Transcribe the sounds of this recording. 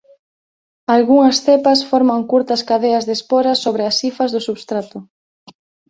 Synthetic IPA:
alɣuŋɐsθepɐsfɔɾmaŋkuɾt̪ɐskaðeɐzðespoɾɐsoβɾɪɐsifɐzðʊsuβst̪ɾat̪ʊ

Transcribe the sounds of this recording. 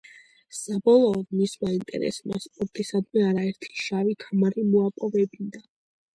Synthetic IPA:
sabɔlˠɔːd̪mismaint̪ʼɛ̰ɾɛ̰sma̰spʼɔɾt̪ʼisad̪mɛaɾaɛɾt̪ʰi̥ʃavikʰamaɾimuapʼɔvɛbind̪a

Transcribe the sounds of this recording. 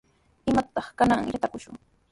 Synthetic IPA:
ɪmat̪ɑχkanaŋjat̪akʊʃʊ̰ŋ

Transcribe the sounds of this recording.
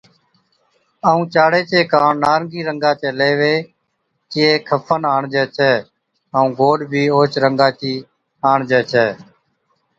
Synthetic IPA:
əːũːt͡ʃaːɽeːt͡ʃeːkãːɳnaːɾəŋɡiːɾəŋɡaːt͡ʃeːleːʋeː | t͡ʃiːeːkʰəpʰənaːɳd͡ʒɛːt͡ʃʰɛː | əũːɡoːɖbʱiːoːt͡ʃɾəŋɡaːt͡ʃiː | aːɳd͡ʒɛːt͡ʃʰɛː

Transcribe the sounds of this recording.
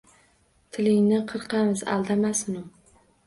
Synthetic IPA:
t̪ʰɪlɪŋnɪqʰɨɾqʰɑmɪza̰lˠd̪amasʊnʊ

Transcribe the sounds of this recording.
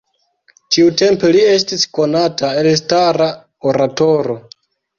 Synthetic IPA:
tiute̞mpelie̞stisko̞natae̞ls̬taɾa | oɾato̞ɾo̞

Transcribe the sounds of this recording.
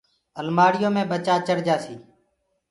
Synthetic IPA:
əlmaːɽɪjõːmẽːbət͡ʃaːt͡ʃəɾd͡ʒaːsiː

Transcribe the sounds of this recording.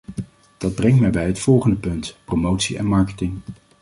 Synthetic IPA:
d̥ɑd̚brɛŋtmɛjbɛjɦətfɔlˠχəndəpɵntpromowtsiɛ̰nmɑɹkətɪŋ

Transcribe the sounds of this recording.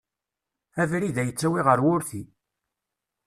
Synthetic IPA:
ævɾiðæjət͡sːæwiʁəɾwʊɾθi

